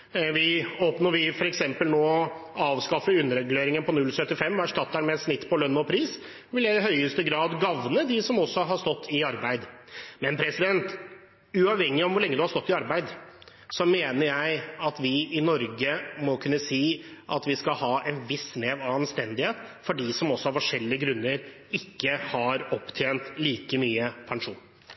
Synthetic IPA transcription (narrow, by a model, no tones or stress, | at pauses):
ʋɪoːpnɔɾʋɪfɔɾɛksɛmpəlnoːɑːʋskɑfəʉnːəɾɛɡleːɾɪŋənpʰɔnʉlsœt̪ːɪfɛmːʋæʂtɑt̪ːæɾmɛt̪snɪt̪ːpʰɔlœnmɔpʰɾiːs | ʋɪljæɪɪɦœʏəst̪əɡɾɑːd̪ɡɑʋnəd̪ɪsɔmɔsːɔɦɑʂt̪ɔt̪ʰːɪɑɾbæɪd̪mɛnpʰɾɛsɪd̪ɛnt̪ | ʉɑːʋhɛŋːɪɔmʋʊɾɭɛŋːəd̪ʉhɑɾst̪ɔt̪ːɪɑɾbæɪd̪ | sɔmeːnəɾjæɪɑt̪ʋɪʔɪnɔɾɡəmɔkʰʉnːəsiːʔɑt̪ʋɪskɑlhɑːʔɛnʋɪsːneːʋɑʋɑnst̪ɛnd̪ɪheːt̪fɔɖiːsɔmɔsːɔhɑɾfɔʂɛlːɪəɡɾʉnːəɾ | ɪkːəhɑɾɔpːt̪ʰjeːnt̪liːkəmyːəpʰɑŋʂuːn